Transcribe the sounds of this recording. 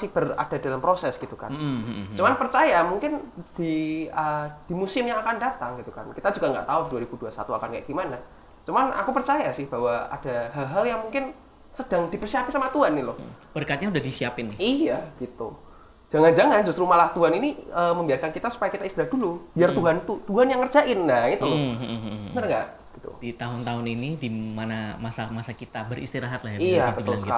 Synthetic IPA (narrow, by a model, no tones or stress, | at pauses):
sɪhb̥əra̰d̥a̤dalampɾosɛsɡ̥it̪uka̰nt͡ʃumanpərt͡ʃajamuŋkɪnd̥iəd̥imusɪmjaŋakandat̪aŋɡit̪uka̰nkit̪ad͡ʒuɡaŋɡa̰ʔt̪auduwaɾib̥uduasa̰t̪ua̰kankaja̰ɡ̥imana | t͡ʃumanʔa̰kupərt͡ʃajasɪhb̥awaa̰d̥aɦalɦaljaŋmuŋkɪn | səd̥aŋd̥ipərsiapɪnsamat̪uɦanːɪlɔhb̥ərkat̪̚ɲaudahdisiapɪnːɪijaɡ̥it̪ṵ | d͡ʒ̥aŋand͡ʒaŋand͡ʒust̪ɾumalaht̪uɦaniniəːməmbiarkankit̪asu̥pajakit̪aist̪ilahd̥ulub̥iart̪uɦant̪ut̪uɦanjaŋːərd͡ʒaʔɪnːait̪ulʊhbənərŋɡaʔ | ɡ̥i̥t̪ṵdit̪aɦʊnt̪aɦʊninidimanamasamasakit̪abəɾḭst̪iɾaɦat̪̚lahjaiabət̪ʊlsə̥ka